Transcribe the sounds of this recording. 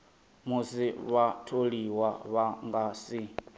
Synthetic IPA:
musiβatʰoɺiwaβaŋɡaːsi

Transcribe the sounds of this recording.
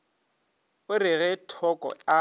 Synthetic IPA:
ʊrɪɣɛtʰɔkʼɔ̰a

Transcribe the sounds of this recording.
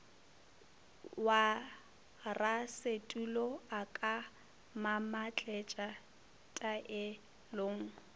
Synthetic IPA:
wa | rasetʼulɔakʼa | mamat͡ɬʼɛt͡ʃʼa | tʼaʔɪ | loːŋ̩

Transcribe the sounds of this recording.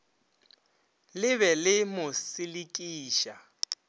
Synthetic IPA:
lɪβɛlɪmʊsɪlikʼiːʃa

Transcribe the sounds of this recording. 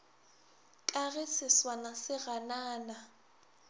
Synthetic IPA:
kʼaɣɪsɪswanasɪɣanaːna

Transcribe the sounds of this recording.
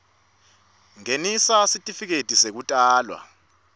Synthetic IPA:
ŋenisasitʼifik̬etʼisek̬utʼaːlwa̰

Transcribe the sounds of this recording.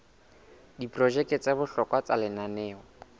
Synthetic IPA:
diprɔʒɛkɛt͡sʼabʊɬɔkʼwat͡salɪnanɛːɔ

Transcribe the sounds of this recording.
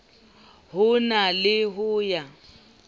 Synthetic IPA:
hʊnalɪɦʊːja

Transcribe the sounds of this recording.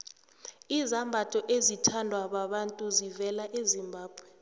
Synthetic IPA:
izambʱatʼɔʔezitʰandʱwaɓaɓantʼuzivɛlaʔezimbʱaːb̥ʱwɛ

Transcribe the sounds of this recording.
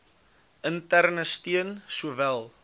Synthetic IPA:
əntærnəstiənsuəvælˠ

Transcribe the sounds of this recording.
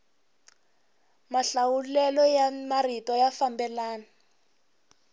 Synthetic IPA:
maɬawulɛlɔjamaritɔjafambɛlaːna

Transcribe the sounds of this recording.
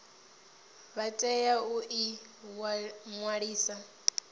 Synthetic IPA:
βatʼɛjauʔi | ŋwaɺiːsa

